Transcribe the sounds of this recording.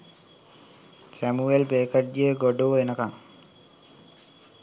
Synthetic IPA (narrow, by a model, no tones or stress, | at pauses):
sæmuelpeːkəʈ̚d͡ʒiəɡoɖoʋenəkaŋ